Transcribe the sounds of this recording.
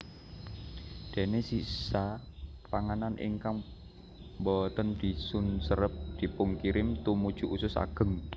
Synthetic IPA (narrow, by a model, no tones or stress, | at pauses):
d̪̥e̤nesisa | paŋananʔɪ̰ŋkaŋ | mbɔt̪ənd̪̥i̤sʊnsəɾəp̚d̪̥i̤pʊŋkiɾɪmt̪umud̥ʒ̥ṳʔusʊsa̰ɡ̥ə̤ŋ